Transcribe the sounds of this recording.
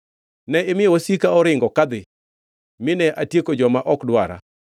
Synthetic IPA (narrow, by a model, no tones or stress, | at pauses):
nɛɪmɪjwosikaɔɾɪŋɡɔkad̪ɪ | mɪnɛʔatjekod͡ʒɔmaʔɔkdwaɾa̰